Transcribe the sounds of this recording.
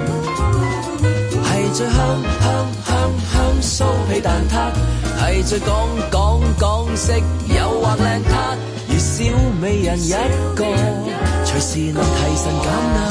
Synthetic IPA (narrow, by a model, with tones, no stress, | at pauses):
hɐ˨jt͡ʃɵː˨˧˥hœː˥ŋhœː˥ŋhœː˥ŋ | hœː˥ŋso˥wpe˨˧˥jt̪aː˨nt̪ʰaː˥k̚hɐ˨˩jt͡ʃɵ˨˧kɔː˨˥ŋkɔː˨˥ŋkɔː˨˥ŋsɪ˥k̚jɐ˨˧wːaː˨˥nlɛː˨ŋt̪ʰaː˥ | jyː˨siː˨˥wme˨˧jːɐ˨˩njɐ˨˥t̚ko˧w | t͡ʃʰɵ˨˩jsiː˨nɔ˨˧t̪ʰɐ˨jsɐ˨˧nkaː˨˥na˧